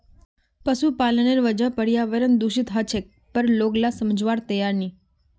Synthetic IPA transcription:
pəʃupaləneɾʋəd͡ʒəpəɽjaʋəɾənd̪uʃɪt̪ɦat͡ʃʰek̚ | pəɾloɡlasəməd͡ʒʋaɾt̪əjaɾni

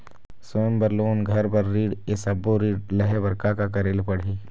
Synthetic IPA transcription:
soːnbɐɾloːnɡʱɐɾpɐɾːiːɽesɐbːoɾiːɽlɐɦebɐɾkakakɐɾeːlpɐɽ̤iː

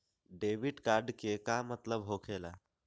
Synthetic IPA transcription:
ɖeːʋiɖkaːɾɖkekamət̪ləbɦokʰela

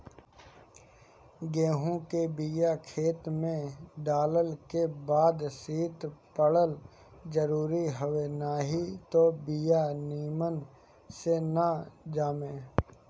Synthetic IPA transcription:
ɡeːɦũkebijakʰeːt̪mẽɖaːləlkebaːd̪siːt̪pəɽəl | d͡ʒəɾuːɾiɦoʋenaːɦit̪obijaniːmən | senad͡ʒaːmẽː

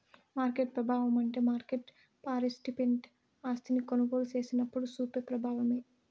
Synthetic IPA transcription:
maːɾkeʈ̚pɾɐbʱaːʋɐmɐɳʈe̞ːmaːɾkeʈ | paːɾisʈipeɳʈ | aːst̪ʰinikonɐɡo̞ːlut͡ʃe̞ːsinɐpːuɽusuːpeɾpɾɐbʱaːʋɐme̞ː

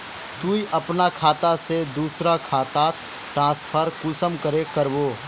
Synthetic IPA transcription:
t̪uiʔɐpnakʰaːt̪ased̪uːsɾakʰaːt̪a | ʈɾãːspʰəɾkuːsəmkəɾekəɾboː

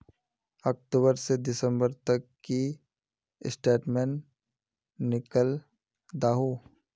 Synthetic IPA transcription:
ɔk̚ʈuːbəɾsed̪ɪsə̃mbəɾt̪ɐkːi | ɪsʈeːʈmenː | ɪkəl | d̪aːɦu

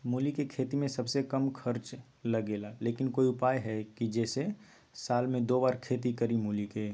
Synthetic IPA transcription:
muːlikekʰeːt̪imẽsɐbsekɐmkʰəɾt͡ʃ | lɐɡeːlaleːkɪnkoːiʊpaːjɦɛkid͡ʒɛːse | saːlmẽd̪oːbaːɾkʰeːt̪̬ikɐɾimuːlike

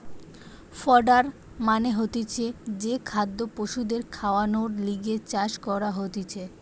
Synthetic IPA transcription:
fɔɾɖaɾ | maneɦot̪et͡ɕʰed͡ʑekʰad̪ːopoʃud̪eɾkʰaoanoɽliɡet͡ɕaʃkɔɾaɦot̪et͡ɕʰe

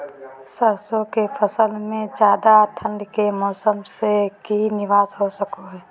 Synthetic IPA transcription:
səɾsõkefʰəsəlmẽd͡ʒjaːd̪aʈʰə̃ɳɖkemɔːsəmsekinɪʋaːsɦosəkoɦɛː

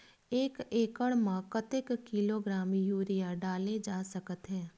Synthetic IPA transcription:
eːkeːkəɽmãkət̪ɪkːɪloːɡɾaːmjuːɾijaɖaːled͡ʒaːsɐkət̪ɦɛ̃ː

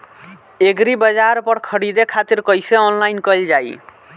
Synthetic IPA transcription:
eɡɾibəd͡ʒaɾpəɽkʰəɽid̪ekʰat̪iɾkʌjseɔnlajnkəjld͡ʒaj

